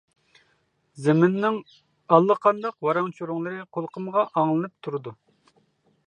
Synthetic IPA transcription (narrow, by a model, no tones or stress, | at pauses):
zɪmɪnːɪŋ | ɑlˠːəqʰɑnd̪ɑqwɑɾɑŋt͡ʃʰoɾʊŋlˠɨɾɨqʰolˠqʰəmʁɑʔɑŋlˠɨnɨp̚t̪ʰuɾɨd̪u